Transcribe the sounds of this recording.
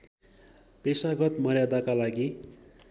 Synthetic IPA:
pesaɡʌt̪mʌɾjad̪akalaɡi

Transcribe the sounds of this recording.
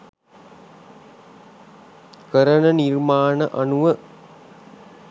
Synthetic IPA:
kəɾənənirmaːnəʔanuʋə

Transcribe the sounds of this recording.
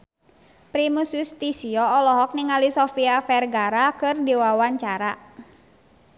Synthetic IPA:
pɾimusust̪isiɔːlɔɦɔk̚niŋalisɔfiafɛrɡaɾakɨrdiwawaɲt͡ʃaɾa

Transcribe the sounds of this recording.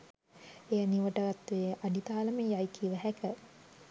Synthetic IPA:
ejaniʋəʈəɡat̪ːʋeʔaɖit̪aːləmejajkʰiʋəɦɛkə

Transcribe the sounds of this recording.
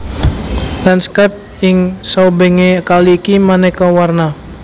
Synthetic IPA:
danskap̚ | iŋsawbeŋekaliːkimanɛkawarna

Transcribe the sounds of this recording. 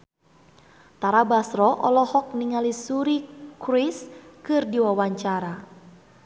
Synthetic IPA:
t̪aɾabasɾɔʔɔlɔhɔk̚niŋalisuɾikɾiskɨrdiwawaɲt͡ʃaɾa

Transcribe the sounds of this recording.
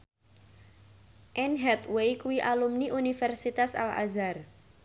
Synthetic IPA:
ʔɛnɦɛt̪wejkuwiʔalumniʔunifɛrsit̪asa̰la̰zar

